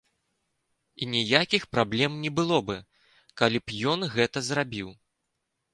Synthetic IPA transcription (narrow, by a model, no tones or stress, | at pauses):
inʲijakʲixpɾablʲɛmnʲɛbɨlˠɔbɨ | kalʲipjɔnɣɛt̪ɐzɾabʲiw